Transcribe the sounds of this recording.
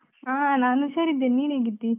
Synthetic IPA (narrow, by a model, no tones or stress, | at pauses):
aːnaːnusɐɾid̪eniːɭeːɡit̪ːi